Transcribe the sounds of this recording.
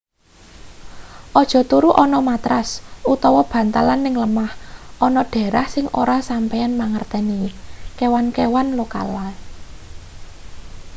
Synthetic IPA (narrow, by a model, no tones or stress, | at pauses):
ʔɔd̥ʒ̥ɔ̤t̪uɾuʔɔnɔmat̪ɾasut̪ɔwɔb̥ä̤nt̪alanːɪŋləmahʔɔnɔɖ̥e̤ɾahsɪŋʔoɾasampɛjanmaŋərt̪ɛnikewankewanloka̰lal